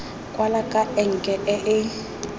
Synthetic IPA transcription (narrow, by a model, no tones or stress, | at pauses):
kʼwalakʼaɛŋ̩kʼɛʔɛʔɪ